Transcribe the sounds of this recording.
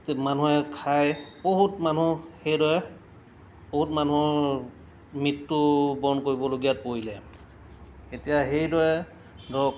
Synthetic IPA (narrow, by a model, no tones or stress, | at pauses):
manuɛkʰajboɦutmanuhejdɔɹɛ | boɦutmanuɔɹ | mitːubɔnkoɹibɔloɡijat̚poilɛ | etijaɦejdɔɹɛ | dɔk